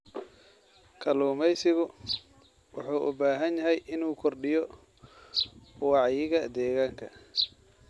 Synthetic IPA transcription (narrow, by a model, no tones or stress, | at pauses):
kʰɐluːmɛjsɪɣʊ | wɑħuːʔʊ̰baːɦɐnjɐɦɛjʔɪnuːkʰɔrɖɪjɔ | wɑʕjɪɣɐd̪ɛːɣaːŋkʰɐ